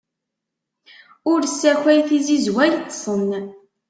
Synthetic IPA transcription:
ʊɾsːæçʷæjθizizwæjt̪ˤːsˤən

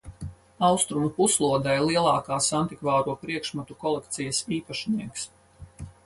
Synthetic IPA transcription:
ɑwst̪ɾumupuslˠuɔd̪ajlˠiɛlˠɑːkaːsant̪ikvaːɾuɔpɾiɛkʃmat̪ukɔlˠɛk̚t̪sijɐsiːpaʃniɛks

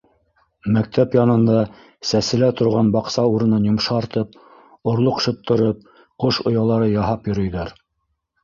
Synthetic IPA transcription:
mæk̚t̪ʰæpjɑnɤ̆nd̪ɑ | sæsɘ̆læt̪ŏɾʁɑnbɑqsɑuɾɤ̆nɑnjŏmʃɑːɾt̪ɤp̚ | ŏɾlˠoqʃɤ̆p̚t̪ɤ̆ɾɤp̚ | qoʃŏjɑlˠɑɾɤjɑɦɑpjɵ̆ɾɵ̆jðæɾ

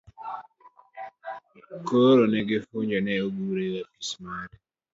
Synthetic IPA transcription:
koɾonɛɡɪfuɲd͡ʒɔnɛoɡuɾewaki̥smaɾ

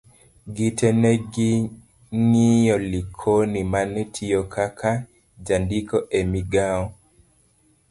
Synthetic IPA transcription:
ɡitɛnɛɡi | ŋijɔlikʰonimanɛtʰijɔkʰakʰa | d͡ʒandikɔʔemiɡaɔ

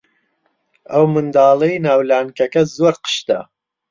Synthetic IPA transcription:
ɐwmɨnd̪ɑːlˠɐjnaːwlaːnkɐkɐzoːɾqə̥ʃt̪ɐ̰

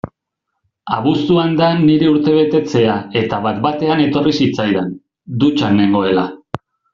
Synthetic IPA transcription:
aβ̞ust̪uand̪anːiɾe̞uɾt̪e̞β̞e̞t̪e̞t͡se̞ae̞t̪aβat̪bat̪e̞ane̞t̪o̞risit͡sajðen | d̪ut͡ʃanːe̞ŋɡo̞e̞la

